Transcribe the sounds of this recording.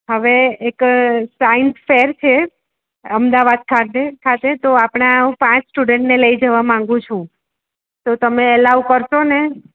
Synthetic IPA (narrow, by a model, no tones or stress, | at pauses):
ɦəʋeeksainsfeɾt͡ʃʰe | əmd̪aʋad̪̚kʰat̪ekʰat̪et̪oapɽ̃aũpãt͡ʃsʈuɖeɳʈneləid͡ʒəʋamãŋɡũt͡ʃʰũ | t̪ot̪əmeɛlaʋkəɾʃone